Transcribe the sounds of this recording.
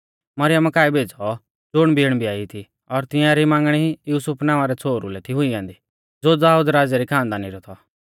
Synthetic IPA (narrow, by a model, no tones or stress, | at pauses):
mɐɾɪjəmkaːibʱeːd͡zɔ | d͡zʊɽ̃biːɽ̃bʱiaːit̪ʰi | ɔɾt̪ɪ̃jãɾimãːŋɡɽ̃iijuːsʊpʰnãːʋaɾɛt͡sʰoːɾulɛt̪ʰiɦʊiãːnd̪i | d͡zoːd̪aːuːd̪ɾaːd͡zɛɾikʰãːnd̪aːniɾɔt̪ʰɔ